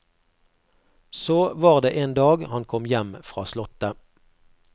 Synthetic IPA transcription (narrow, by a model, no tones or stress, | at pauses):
soːʋɑːʁd̪eːʔeːnd̪ɑːɡhɑnkʰɔmjɛmfʁɑ̰ːslɔt̪ə